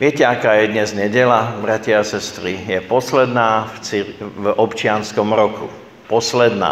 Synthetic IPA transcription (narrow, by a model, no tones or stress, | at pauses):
ʋɪɛcɛakaːjɛd̪ɲɛzɲɛɟɛlabɾacɪaasɛst̪ɾijɛpɔslɛd̪naːt͡sivɔpt͡ʃɪanskɔmɾɔku | pɔslɛd̪na̰ː